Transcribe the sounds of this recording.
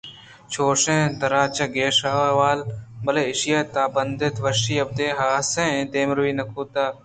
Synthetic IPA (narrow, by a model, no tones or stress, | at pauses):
t͡ʃʰoːʃẽːd̪ɐɾaːt͡ʃɐɡeːʃaːʋaːlbɐleːɪʃijaːt̪aːbɐnd̪ɪt̪ʋɐʃiːɐb̚d̪eːɦaːsẽːẽːd̪eːmɾʋiːnɐkʰuːt̪aː